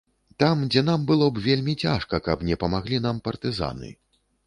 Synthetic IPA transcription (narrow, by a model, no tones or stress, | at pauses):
t̪amd͡zʲɛnambɨlˠɔbvʲelʲmʲit͡sʲaʂkɐkɐbnʲɛpɐmaɣlʲin̪ampɐrt̪ɨza̰nɨ̰